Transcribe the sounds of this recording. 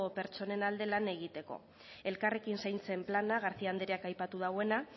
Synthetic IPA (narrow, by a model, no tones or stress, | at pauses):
ope̞ɾt͡so̞ne̞nald̪e̞lane̞ɣ̞it̪e̞ko̞̰ | e̞lkare̞kinsajnt͡se̞mplanaɣ̞aɾθiand̪eɾeakajpat̪uð̞awe̞na